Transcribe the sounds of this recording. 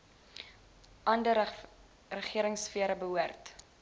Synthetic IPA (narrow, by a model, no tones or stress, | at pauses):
ʔɐndə | rəχiəɾəŋsfiəɾəbəɦuərt